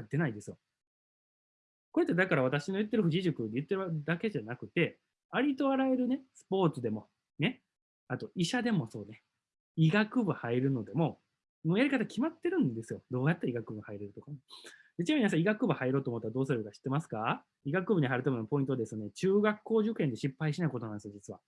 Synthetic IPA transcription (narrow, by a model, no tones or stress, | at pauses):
ad̪e̞naid̪e̞sɨjo̞ | koɾet̪ːed̪akaɾaβat̪aɕino̞jɯ̟t̪ːe̞ɾɯ̟ɸɯ̟ʑiʑɨkɯ̟d̪ejɯ̟t̪ːe̞ɾɯd̪ake̞ʑanakɯ̟t̪e̞ | aɾʲit̪o̞aɾae̞ɾɯ̟ne̞sɨ̥po̞ːt͡sɨd̪e̞mo̞ | ne̞ | at̪o̞iɕad̪e̞mo̞so̞ːne | iɡakɯ̟bɯ̟haiɾɯ̟no̞d̪e̞mo̞ | mojaɾʲikat̪akʲʰimat̪ːe̞ɾɯ̟̃nd̪e̞sɨjo̞d̪o̞ːjat̪ːaiɡakɯ̟bɯ̟haiɾeɾɯ̟t̪okane | d̪et͡ɕiaminas̬ãiɡakɯ̟bɯ̟haiɾo̞ːt̪oːmot̪ːaɾad̪o̞ːsɨɾɯkaɕi̥t̪ːe̞masɨ̥ka | iɡakɯ̟bɯ̟ɲ̟ihaiɾɯ̟t̪amenopõ̞ĩnt̪oad̪e̞sɨne̞t͡ɕɨːɡakːo̞ːʑɨkːe̞nd̪e̞ɕipːaiɕinaiko̞t̪o̞nand̪esjod͡ʑit͡sɨβa